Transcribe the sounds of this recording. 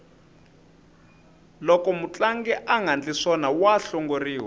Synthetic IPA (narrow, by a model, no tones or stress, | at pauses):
lɔkɔmut͡ɬaŋɡɛʔaŋɡʱant͡ɬʼisɔnawaɬɔŋɡoriːwɛ